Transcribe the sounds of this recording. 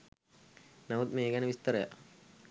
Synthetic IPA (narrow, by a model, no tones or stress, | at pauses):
naʋut̪meːɡænəʋist̪əɾəja̰